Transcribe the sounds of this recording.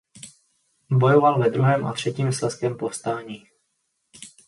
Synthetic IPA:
bo̞jovalvɛd̪ɾuɦɛːmʔa̰t̪r̝̥ɛciːmslɛskɛmpofst̪aːɲiː

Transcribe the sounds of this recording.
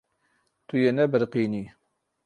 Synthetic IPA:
t̪ujenɛbəɾqiːniː

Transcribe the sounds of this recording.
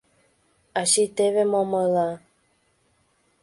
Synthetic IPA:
aʃitɛvɛmɔ̃məla

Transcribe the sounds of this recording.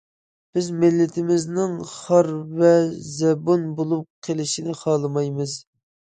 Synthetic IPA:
b̥ɪzmɪlːɪt̪ʰɪmɪznɪŋχɑɾvɛzɛbunbolˠup̚qʰelɪʃinɪχɑlˠɨmɑjmɨz̥

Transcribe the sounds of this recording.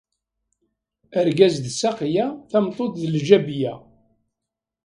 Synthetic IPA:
əɾɡæzðsæqjæθæmt̪ˤot̪ðəlʒæbjæ

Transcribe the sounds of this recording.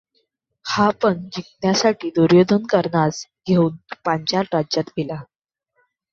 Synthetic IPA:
hapəɳd͡ʑik̚njasaʈiːd̪uɾjod̪ʱənkəɾɳat͡sɡʱeuːnpaɲt͡ɕjaʈad͡ʑat̪ɡela

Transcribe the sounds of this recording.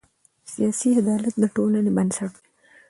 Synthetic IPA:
sijɑsiad̪ɑlat̪̚d̪əʈolanebansaʈ̚d̪e̥

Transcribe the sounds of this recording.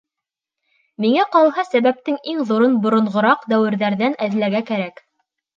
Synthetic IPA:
miŋæqɑlˠɦɑsæβæp̚t̪ɘŋiŋðuɾɤnbŏɾŏɴʁŏɾɑqd̪æwɘ̆ɾðæɾðænæðlæɾɡækæɾæk

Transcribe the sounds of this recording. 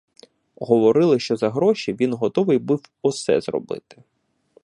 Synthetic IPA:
ɦɔʋɔɾɪlˠɪʃt͡ʃɔzɐɦɾɔʃʲiʋʲinɦɔt̪ɔʋɪjbɪwɔsɛ̰zrɔ̰bɪ̰t̪ɪ̥

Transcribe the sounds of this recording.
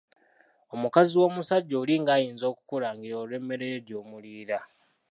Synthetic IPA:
o̞mukaziwo̞ːmusaɟːoːliːŋɡaːjiːnzo̞ːku̥kuɾaːŋɡiɾoːle̞mːe̞ɾeɟo̞ːmuliːɾa

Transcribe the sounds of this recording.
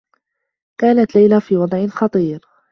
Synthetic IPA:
kaːnat̪lajlafiːwɑd̪ˤʕɪnxɑt̪ˤiːɾ

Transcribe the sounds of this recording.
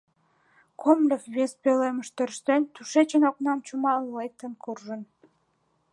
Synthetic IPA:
kʰomlʲəfβespeleməʃt̪øɾʃt̪ent̪uʃet͡ɕə̆noknɑmt͡ɕumɑlːejt̪ːənkurʒən

